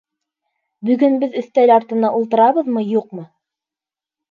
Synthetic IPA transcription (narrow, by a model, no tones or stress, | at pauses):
bɵ̆ɡɵnbɘðɵ̆θt̪ælɑɾt̪ɤ̆nɑʔulˠt̪ɤ̆ɾɑβɤðmɤjuqmɤ